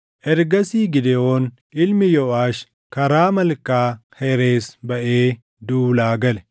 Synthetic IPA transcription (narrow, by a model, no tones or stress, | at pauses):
ʔɛɾɡɐsiːɡɪd̪ɛoːn | ʔɪlmɪjɔʔaːʃ | kɐɾaːmɐlkaːhɛɾeːsbɐʔeː | d̪uːlaːɡɐlɛ̥